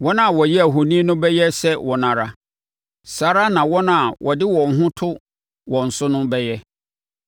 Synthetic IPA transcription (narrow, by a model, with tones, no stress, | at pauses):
wɔ˦nã˦˨wɔ˨jɛ˦æ˨ɦo˨nĩ˦nʊ̃˦bɛ˦jɛ˦sɛ˦wɔ˨nã˨ɾa˨ | saː˨˦ɾa˦nã˨wɔ˦nã˨wʔɔ˨dɪ˦wɔ̃˨ŋ˦ɦʊ̃˦tʰʊ˦ | wɔ̃˨n̩˨sʊ˦nʊ̃˦bɛ˦jɛ˦